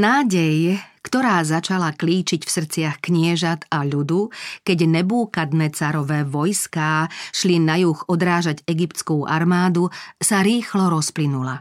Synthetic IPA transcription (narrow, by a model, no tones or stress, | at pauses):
naːɟɛjkt̪ɔɾaːzat͡ʃalakliːt͡ʃicfsr̩t͡sɪaxkɲɪɛʒat̪aʎud̪ukɛɟnɛbuːkad̪nɛt͡saɾɔʋɛːʋɔjskaːʃlinajuɣɔd̪ɾaːʒaɟɛɡipt̪t͡skuːʔa̰ɾmaːd̪usaɾiːxlɔɾɔsplinula